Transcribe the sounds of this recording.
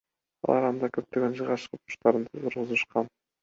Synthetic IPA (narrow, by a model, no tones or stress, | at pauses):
ɑ̰lˠɑɾɑnd̪ɑkøp̚t̪øɡønd͡ʒɯʁɑʃqut̪u̥ʃt̪ɑɾɯnt̪ʰt̪ʰʊɾʁuzuʃqɑn